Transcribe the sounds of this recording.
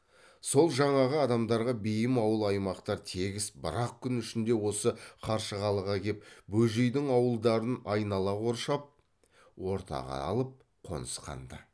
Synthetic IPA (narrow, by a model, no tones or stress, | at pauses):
so̞lˠʒɑɴɑʁəɑd̪ɑmd̪ɑɾʁɑbejɪmɑwəlˠɑjmɑqt̪ɑɾt̪ʰe̞ɡʲɪsbəɾɑq̚kʲʰʏnʏʃɪnd̪e̞wo̞səqʰɑɾʃəʁɑlˠəʁɑkʲʰe̞p̚bɵʒejd̪ɪŋɑwəlˠd̪ɑɾənɑjnɑlˠɑo̞ɾʃɑp̚ | wo̞ɾt̪ɑ̰ʁɑ̰ɑ̰lˠəp̚ | qʰo̞̰nəsqɑ̰nd̪ə